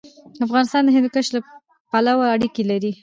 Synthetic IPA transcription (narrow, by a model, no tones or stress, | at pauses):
afɣɑnɪst̪ɑnd̪əɦɪnd̪kəʃla | palawaaɽikelaɾi